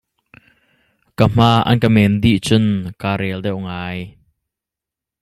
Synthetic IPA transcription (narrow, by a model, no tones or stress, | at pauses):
kam̥aːʔɐ̰nkəmɛnd̪iʔt͡sʊnkaːɾɛldɛwŋaːj